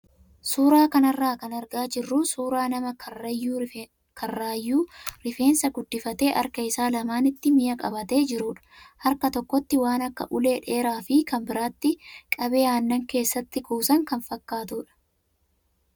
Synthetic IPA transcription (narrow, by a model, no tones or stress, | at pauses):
suːɾaːkɐnɐrːaːkɐnɐɾɡaːd͡ʒɪrːusuːɾaːnɐmɐɐjːuː | kʰɐrːaːjːuːɾɪfe̞ːnsɐɡʊd̪ːɪfɐt̪e̞ːʔɐ̰ɾkɐɪsaːlɐmaːnɪt̪ːɪmɪjɐkʼɐbɐt̪e̞ːd͡ʒɪɾʊːᶑɐ̥hɐɾkɐt̪ɔkːɔt̪ːɪwaːnɐkːɐ̰ʔʊle̞ːᶑe̞ːɾaːfɪkɐmbɪɾaːt̪ːɪkʼɐbe̞ːaːnːɐŋke̞ːsːɐt̪ːɪkuːsɐŋkɐnfɐkːaːt̪uːᶑɐ̥